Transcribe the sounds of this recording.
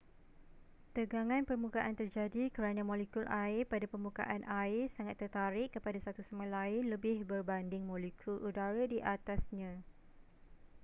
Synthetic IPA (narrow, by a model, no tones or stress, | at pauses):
t̪əɡaŋãnpərmukaʔant̪ərd͡ʒadikəɾanãmɔ̃lekulʔaɪrpadapərmuka̰ʔanʔaɪrsaŋat̪ːərt̪aɾɪʔkːəpadasat̪usəmalaɪnləbɪhbərbandɪŋmɔ̃lekʰulʔudaɾadiʔat̪asɲã